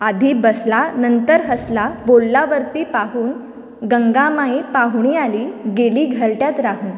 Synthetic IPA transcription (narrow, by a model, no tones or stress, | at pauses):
ad̪ʱiːbəslanənt̪əɾɦəslabolːaʋəɾt̪iːpaɦuːn | ɡəŋɡamaipaɦɳ̃ialiːɡeliːɡʱəɾʈjat̪ɾaɦuːn